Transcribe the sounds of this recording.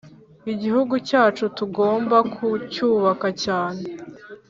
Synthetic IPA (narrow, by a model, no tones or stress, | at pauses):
iɟiɦuɡucaːt͡ʃutuɡoːmbakʰucuːβakacaːne